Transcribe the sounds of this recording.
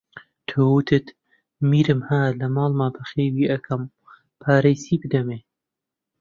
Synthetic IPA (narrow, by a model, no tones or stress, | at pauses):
t̪ʰoːwut̪ʰɨt̪ | miːɾɨmhaːlɐmɑːlmaːbɐxeːwiːʔɐkʰɐm | pʰaːɾejsiːbɨd̪ɐmeː